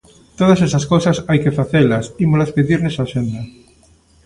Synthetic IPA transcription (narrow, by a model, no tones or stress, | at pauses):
t̪oð̞asesaskowsasajkefaθelasimolaspeðiɾnesaʃend̪a